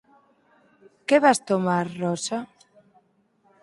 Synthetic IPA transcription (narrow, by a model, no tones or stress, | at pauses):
keβast̪omaɾrɔsa